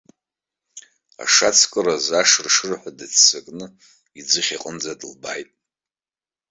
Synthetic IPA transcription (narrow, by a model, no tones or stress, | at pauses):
a̰ʂat͡sʰkʼɨrazaʂrʂɨrħʷadɨt͡sʰsakʼnɨ | id͡zɨχʲiqʼənd͡zadɨlba̰jtʼ